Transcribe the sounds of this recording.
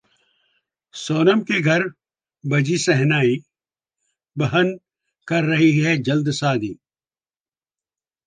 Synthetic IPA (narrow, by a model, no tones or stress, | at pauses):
soːnəmkeɡʱɐɾ | bɐd͡ʒisɛɦnaːi | bɐɦən | kɐɾːɐɦiɦɛd͡ʒɐld̪saːd̪iː